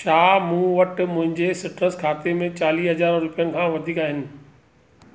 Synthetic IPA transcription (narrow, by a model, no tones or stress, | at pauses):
t͡ɕʰaːmũːʋɐʈmʊ̃ɦɪ̃ɲd͡ʑesɪʈɾəskʰaːt̪emẽt͡ɕaːliːsɦɐzaːɾɾʊpijənɪ̆kʰãːʋɐd̪ʱiːkaːɦɪnɪ̆